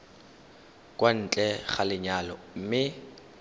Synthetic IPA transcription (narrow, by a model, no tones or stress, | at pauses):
kʼwan̩ːt͡ɬʼɛχalɪɲalɔ̰m̩mɪ